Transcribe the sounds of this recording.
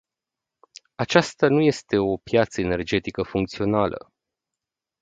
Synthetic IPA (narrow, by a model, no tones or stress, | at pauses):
at͡ʃast̪anuje̞st̪e̞o̞pjat̪səene̞rd͡ʒe̞t̪ikəfuŋkt̪sio̞nalə̰